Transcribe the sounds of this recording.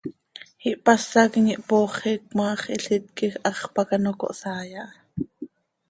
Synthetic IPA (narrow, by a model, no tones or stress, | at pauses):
hiʔpɑsːɑkŋiʔpoːχiːk̚mɑːχiɬit̪̚kixʔɑχpɑkɑnoko̰ʔsɑːjɑʔ